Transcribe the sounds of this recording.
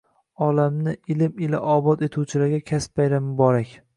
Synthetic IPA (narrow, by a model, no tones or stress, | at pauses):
ɒlamnɪɪlɪmɪla̰ʔɒbɒt̪e̞t̪ʰuwt͡ʃʰɪlaɾɡʲakʲʰaspajɾamɪbɒɾakʲ